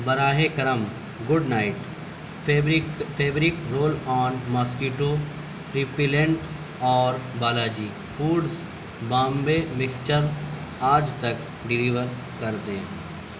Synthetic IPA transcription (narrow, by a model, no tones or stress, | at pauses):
bəɾaːɦekəɾəm | ɡʊɖnaːɪʈ | fʰeːbɾɪkɾoːlɔːnmaːskuːʈoː | pɾipilẽɳʈ | ɔːɾbaːlaːd͡ʒiː | fʰuːɖs | bãːmbeːmɪkst͡ʃəɾaːd͡ʒt̪ək̚ | ɖɪliːʋəɾ | kɐɾd̪ẽː